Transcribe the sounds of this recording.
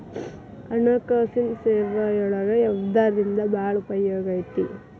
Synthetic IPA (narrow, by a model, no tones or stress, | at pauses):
kɐɳɐkaːsinseːɾʋɐjɔɭɐɡɐɛʋd̪aːɾdind̪ɐbaːɭupɐjːoːɡɐjt̪ḭ